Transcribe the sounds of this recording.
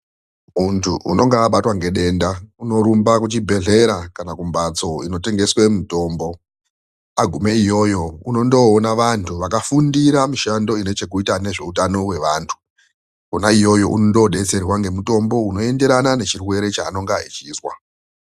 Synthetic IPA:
muntʰuṵno̞ŋɡaːɓatwaŋɡe̞ɗe̞ndauno̞ɾumbakut͡ʃibʱe̞ɮe̞ɾakanakumbat͡so̞ino̞te̞ŋɡe̞swe̞mito̞ːmbo̞ | aɡʱumeijo̞jo̞uno̞ndoːnaʋantʰuʋakafundiɾamiʃando̞ine̞t͡ʃe̞k̬uitaneʐe̞utano̞we̞ʋaːntʰu̥ | kunaijo̞jo̞̰ʔunondoɗe̞t͡se̞rwaŋɡe̞muto̞mbo̞uno̞e̞nde̞ɾanane̞t͡ʃirwe̞ɾe̞t͡ʃaːno̞ŋɡait͡ʃiswa̰

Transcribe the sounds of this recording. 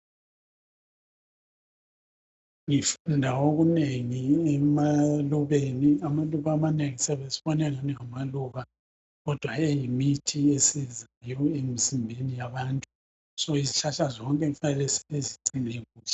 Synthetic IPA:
ŋifundʱaoɣuneŋiɛmaluβeniamaluβaːmaneŋisɛβesi̥βɔnɛlaniŋamaluɣa | ɣɔd̥ʱwaejimitʰiesizajɔemizimbʱenijaβaːntʼu | sɔizit͡ʃʰaʃazɔŋkʼɛfanɛlɛsɛ̥βeziǀineɣuːɬɛ̥

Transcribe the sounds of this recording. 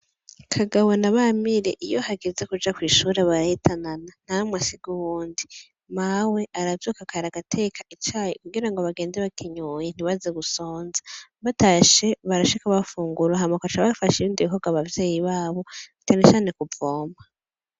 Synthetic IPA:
kʰaɡawonaβamiɾe̞ʔijo̞haɡeze̞kud͡ʒakwiːʃuːɾe̞βaɾahitananan̥aamŋasiɡ̥uβuːndi | mawe̞ʔaɾavjokakaɾaɡatʰe̞kʰaʔit͡ʃaːjikuɡiɾaŋɡoβaɡe̞ːndeβakʰiɲojen̥iβazeɡuso̞ːnzḁβataʃe̞βaɾaʃikaβafuːŋɡuɾaɦamakat͡ʃaβafaʃiiːndiiɦoɡaβavje̞ːjiβaːβo̞atanet͡ʃaːne̞kuvoːma

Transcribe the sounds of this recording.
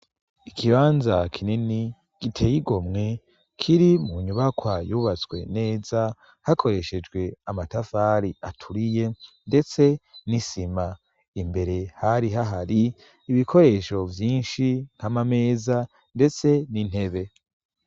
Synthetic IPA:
ikʰiβaːnzakʰinini | ɡ̥itʰe̞ːjiɡomŋe̞ | kʰiɾimuɲuβakwajuːβat͡sɡwe̞̰ne̞ːza | hakʰo̞ɾe̞ʃe̞d͡ʒɡwe̞amatafaɾia̰tʰuɾije̞nde̞t͡se̞nisima | imbe̞ɾe̞haɾiɦaɦaɾiː | βikʰo̞ɾe̞ːʃo̞vjiːnʃiŋ̥hamame̞ːza | nde̞t͡se̞nin̥he̞βe̞

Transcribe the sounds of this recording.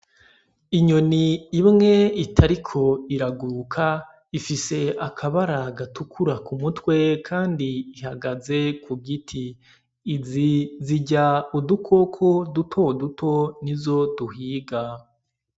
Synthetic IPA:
iɲo̞niːmŋe̞itʰaɾikʰo̞iɾaɡuɾkʰa | ifise̞akʰaβaɾaɡatukʰuɾakumutwe̞kʰaːndiːhaɡaze̞kuɡitʰiː | ziziɟaudukʰo̞kʰo̞dutʰo̞dutʰo̞nizo̞duhiːɡa

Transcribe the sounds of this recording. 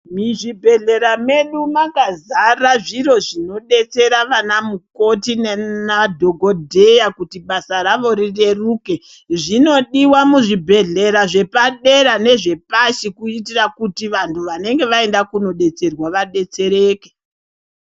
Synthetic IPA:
miʐibʱe̞ɮe̞ɾame̞ɗumaɡazaraʐiro̞ʐino̞ɗe̞t͡se̞ɾaʋanamukotinanadʱo̞ɡʱo̞dʱe̞jakutiɓasaɾaʋo̞ɾire̞ruːke̞ | ʐino̞ɗiwamuʐibʱe̞ɮe̞ɾaʐe̞paɗe̞ɾane̞ʐe̞paʃikuitirakutiʋantʰuʋane̞ŋɡe̞ʋae̞ndakuno̞ɗe̞t͡se̞rwaʋaɗe̞t͡se̞ɾe̞ːke

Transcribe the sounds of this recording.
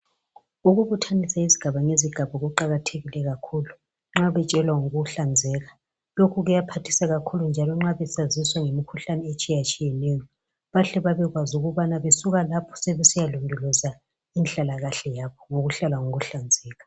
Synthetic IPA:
uɣuβutʰanisaiziɡ̥ʱaβaŋeziɡ̥ʱaβɔɣuǃaɣatʰeɣilɛɣakʰuːlu | ŋ͡ǁaβɛt͡ʃʼɛlwaŋoɣuɬand͡zʱɛːɣa | lokʰuɣujapʰatʰi̥saɣakʰulund͡ʒʱalɔŋ͡ǁaβɛsaziswaŋemikʰuɬanɛet͡ʃʼijat͡ʃʼijɛnɛjɔ | βaɬɛβaβɛɣwazuɣuβanaβesuɣalapʰɔ̥sɛβɛsijalundʱulɔza | inɬʼalaɣaɬɛjaβɔŋoɣuɬalaŋoɣuɬand͡zʱɛːɣa

